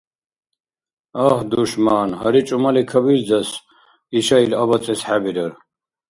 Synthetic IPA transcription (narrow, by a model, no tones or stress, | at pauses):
ɐhd̪uʃmaːnɦɐɾit͡ʃʼumalikʰɐbiɾd͡zɐs | iʃailɐbɐt͡sʼɛsħabiɾɐɾ